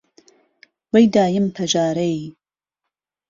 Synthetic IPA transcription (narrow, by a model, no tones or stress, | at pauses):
wejd̪aːjɨmpʰɐʒaːɾej